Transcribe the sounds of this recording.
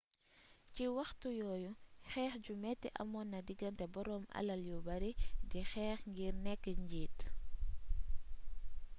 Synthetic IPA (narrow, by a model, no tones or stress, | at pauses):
ciwɐxtujɔːjuxɛːxɟumɛtːiʔɐ̰mɔnːɐdiɡɐntɛbɔɾɔmʔɐ̰lɐljubɐɾidixɛːxŋɡiɾnɛkːəɲɟiːt